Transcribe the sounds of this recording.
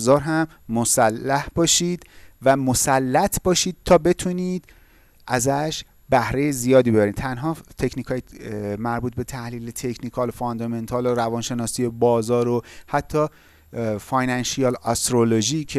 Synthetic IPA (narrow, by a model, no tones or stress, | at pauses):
zɒːɾɦæmːosælːæhb̥ɒːʃiːd̪̥væmosælːæt̪ʰb̥ɒːʃiːd̪̥̚t̪ʰɒːbe̞t̪ʰuniːd̪ | ʔæzæʃ | bæhɾe̞jezijɒːd̪iːbe̞bæɾiːnt̪ʰænɦɒːt̪ʰe̞cʰniːkʰɒːjemæɾbuːt̪̚be̞t̪ʰæhliːlet̪ʰe̞cʰnikʰɒːlofond̪ɒme̞nt̪ʰɒːloɾævɒːnʃe̞nɒːsiːje̞bɒːzɒːɾohæt̪ʰːɒː | fɒjnænʃijɒlɒst̪ɾoloʒicʰe